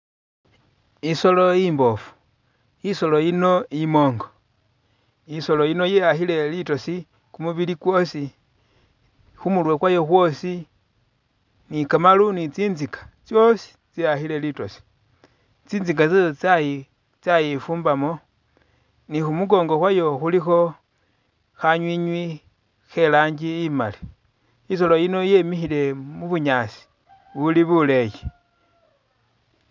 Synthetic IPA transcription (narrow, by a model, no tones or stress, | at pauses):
isoloimbofu̥ | isoloino̞imoːŋɡo | iso̞loino̞jejaxile̞litosi | kumuβilikwosi | xumulwekwajoxwosi | nikamalunit͡siːnzikḁt͡sjosi̥t͡siaxile̞litosi̥ | t͡siːnd͡zik̬at͡saji | t͡sajifuːmbamo̞ | nixumuɡo̞ːŋɡo̞xwajo̞xulixo̞ | xaɲwiɲwi | xe̞laːɲd͡ʒiːma̰li̥ | is̬olojino̞jemixile̞muβuɲaːsi̥ | βuliβule̞je